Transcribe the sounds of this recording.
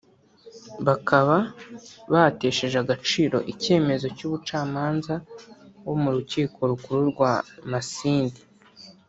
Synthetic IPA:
βakʰaβaβate̞ːʃe̞ʒaɡat͡ʃiːɾo̞̰ʔice̞ːme̞zo̞cuːβut͡ʃaːmaːnzawo̞muɾuciːko̞ɾuɡuɾuɾɡwaːmasiːndi̥

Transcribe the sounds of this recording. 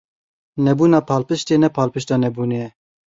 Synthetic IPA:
nɛbuːnɑːpʰɑːlpɨʃt̪eːnɛpʰɑːlpɨʃt̪ɑːnɛbuːneɛ

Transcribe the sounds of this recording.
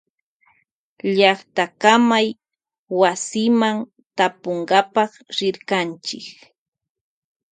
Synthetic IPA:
ʎɑχt̪akamaj | wasɪman | t̪apoɴɢapɑχɾɪɾkant͡ʃɪ̰k

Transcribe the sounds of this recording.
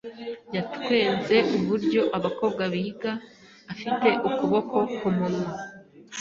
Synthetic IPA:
jatkwe̞ːnze̞ʔuβuɾɟo̞ʔaβako̞ːβɡwaβiiɡaː | fite̞ʔukuβo̞ko̞kumuɾum

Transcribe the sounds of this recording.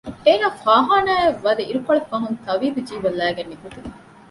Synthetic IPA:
eːnaːfaːɦaːnaːjɐʋːɐd̪eʔiɾukɐɭɐfɐɦunt̪ɐʋiːbud͡ʒiːʋɐlːæːɡɐnːikut̪ini

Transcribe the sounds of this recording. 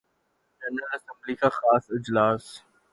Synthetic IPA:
d͡ʒɛnəlɐsə̃mblikaxaːsɪd͡ʒlaːs

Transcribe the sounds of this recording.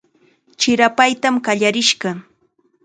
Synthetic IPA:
t͡ʃɪɾapajt̪amkaʎaɾɪʃɢɑ

